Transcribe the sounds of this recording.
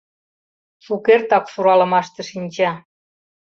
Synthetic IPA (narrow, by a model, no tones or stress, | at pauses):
ʃukert̪ɑksuɾɑlə̆mɑʃt̪ə̆ʃinʲt͡ɕɑ